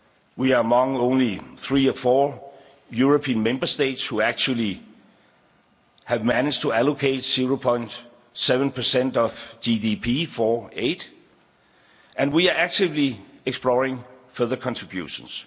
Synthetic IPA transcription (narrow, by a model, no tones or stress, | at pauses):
wiəəmʌ̃ŋõʊ̃nliθɹiːəfɔː | juɹopʰĩːnmẽmbə˞steɪtshuæk̚t͡ʃul̩ˠi | hævmænɪ̥d͡ʒtʰuælokʰeɪtsiɹoʊpʰɔ̃ɪ̃nd̥ | sevə̃npʰə˞sɛ̃ndʌv̥d̥idipʰifɔːeɪd | ʔæ̃nwiəʔæk̚tʰɪvliekspʰlɔɹɪ̃ŋfɜ˞ðə˞kʰɑ̃ntʰɹ̥ibjṵʃə̃ns